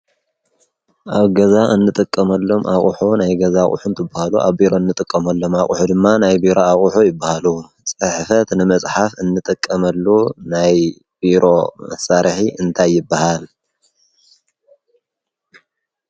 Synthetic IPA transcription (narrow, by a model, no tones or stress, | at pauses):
ʔaβɡɐzaʔɨnːɨt̪ʼɨkʼːɐmɐlːo̞mʔaχʼuħonajɡɐzaχʼṵħunt̪ʰɨbːahaluʔa̰βbiɾo̞ɨnːɨt̪ʼɨkʼːɐmɐlːo̞maχʼuħud̪ɨmːanajbiɾo̞aχʼuħujɪbːahalu | t͡sʼɨħfɐt̪nɨmɐt͡sʼħafɨnːɨt̪ʼɨkʼːɐmɐlːunaj | biɾo̞mɐ̰saɾħiʔɨnt̪ʰajːɪbːahal